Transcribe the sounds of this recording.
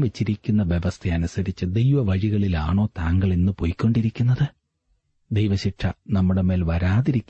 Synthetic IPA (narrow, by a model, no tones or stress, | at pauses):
ʋet͡ɕːiɾikʲːunːɐʋje̞ʋɐst̪ʰeɐnusɐɾit͡ɕːɨd̪ejʋɐʋɐɻiɣɐɭilaːɳo̞ːt̪aːŋɡɐɭenːɨpojkʲːoɳɖiɾikʲːunːɐðɨ | d̪ejʋɐɕiʈʂɐnɐmːuɽe̞me̞ːlʋɐɾaːðiɾikʲː